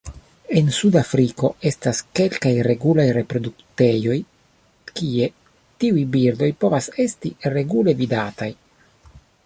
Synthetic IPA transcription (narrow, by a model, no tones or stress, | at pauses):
e̞nsudafɾiko̞e̞staske̞lkajɾe̞ɡulajɾepɾo̞dukte̞jo̞j | kie̞ | tiujbiɾdo̞jpo̞vase̞stiɾe̞ɡule̞vidataj